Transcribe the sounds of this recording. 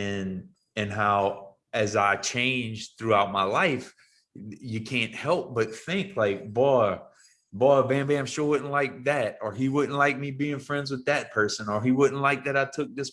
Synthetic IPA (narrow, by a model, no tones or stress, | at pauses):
ɨ̃n | ɨ̃nɦaʊ | ɨzaɪt͡ʃʰẽɪ̃nd͡ʒθɹʉaʊt̚maɪlaɪf | jɨkʰæ̃nʔhɛlˠp̚b̥ʌt̪̚θɪ̃ŋkʰlaɪk̚b̥ɔɪ | bɔbæ̃mbiãɪ̃mʃʊɹwʊdⁿn̩tˡlaɪk̚ðɨɾə˞iwʊdⁿn̩tˡlaɪk̚mibiɪ̃ŋfɹɛ̃ndzwɨðɨt̚pʰɜ˞sə̃nə˞iwʊdⁿn̩tˡlaɪk̚ðɨɾaɪtʰʊk̚ðɪs